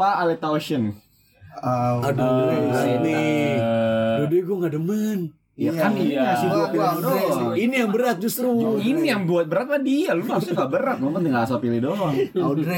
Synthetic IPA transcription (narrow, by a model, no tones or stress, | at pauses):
paːlɛt̪aoʃən | adəsini | dudiɡuŋɡadəmən | jakanijaasibuaildoinijaŋbəɾat̪̚d͡ʒust̪ɾuinijaŋbuat̪̚bəɾat̪̚madialumaaŋɡabəɾat̪̚lumant̪iŋaasapilidɔŋadɾɛ